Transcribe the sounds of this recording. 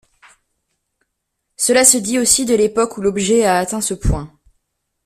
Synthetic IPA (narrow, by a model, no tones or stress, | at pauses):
səlasəd̪iosid̪əlepɔkulɔbʒɛaːt̪ɛ̃səpwɛ̃